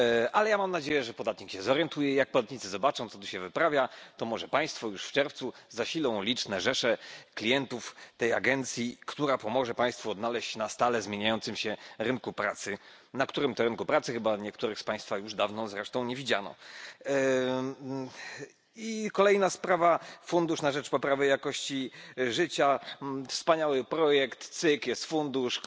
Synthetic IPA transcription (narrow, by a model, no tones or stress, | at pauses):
ʔalɛjamamnad͡ʑejɛʐɛpɔd̪at̪ɲikɕɛzɔɾjɛnt̪ujɛijak̚pɔd̪at̪̚ɲit̪sɨzɔbat͡ʂɔ̃w̃t̪sɔ̥t̪uɕɛvɘpɾavʲjat̪ɔmɔʐɛpaj̃st̪fɔjuʂft͡ʂɛɾft̪suzaɕilɔ̃w̃lʲit͡ʂnɛʐɛʂɛklʲijɛnt̪uft̪ɛja̰ɡɛnt̪sʲjikt̪uɾapɔmɔʐɛpãj̃st̪fuɔd̪nalɛɕt͡ɕnast̪alɛzmʲjeɲajɔnsɨmɕɛɾɘnkupɾa̰t̪sɘ | nakt̪uɾɘmt̪ɔɾɘnkupɾat̪sɘxɘbaɲɛkt̪uɾɘxspaj̃st̪fajuʐd̪avnɔzɾɛʂt̪ɔ̃w̃ɲɛvʲid͡ʑanɔ̰ | ikɔlɛjnaspɾavafund̪uʂnaʐɛt͡ʂpɔpɾavɘjakɔɕt͡ɕiʐɘt͡ɕafspaɲawɘpɾɔjɛkt̪t̪sɘkjɛst̪fund̪uʂ